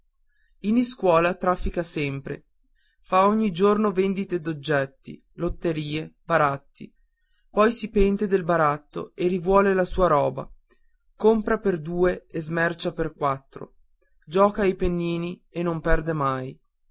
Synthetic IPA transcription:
iniskwɔːlat̪ɾafːikasɛmpɾḛ | faoɲːid͡ʒornovend̪it̪ed̪od͡ʒːɛt̪ːḭ | lot̪ːeɾiːeb̥aɾat̪ːḭ | pɔjsipɛnt̪ed̪elbaɾat̪ːo̰erivwɔːlelasuːaɾɔːba̰ | kompɾaperd̪uːeezmɛrt͡ʃaperkwat̪ːɾo̰ | d͡ʒɔːkajpenːiːnienːompɛrd̪emaj

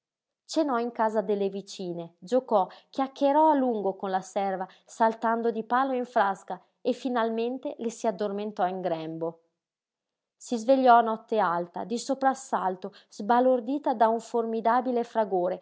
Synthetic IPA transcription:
t͡ʃenɔiŋkaːzad̪elːevit͡ʃiːned͡ʒokɔk̟jakːeɾɔaluŋɡokonlasɛrva | salt̪and̪od̪ipaːloiɱfɾaska | efinalment̪elesiad̪ːorment̪ɔiŋɡɾɛmbo | sizveʎːɔanɔt̪ːealt̪a̰d̪isopɾasːalt̪oz̥balord̪iːt̪ad̪auɱformid̪aːbilefɾaɡoːɾe

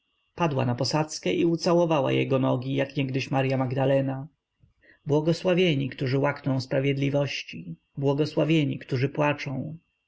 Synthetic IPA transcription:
pad̪wa̰napɔsat̪skɛʔiut̪sawɔvawa̰jɛ̰ɡɔnɔɡʲijakɲɛɡd̪ɘɕmaɾjamaɡd̪alɛna | bwɔɡɔswavʲjeɲikt̪uʐɘwaknɔ̃w̃spɾavʲjɛd̪lʲivɔɕt͡ɕi | bwɔɡɔswavʲjeɲikt̪uʐɘpwat͡ʂɔ̃w̃

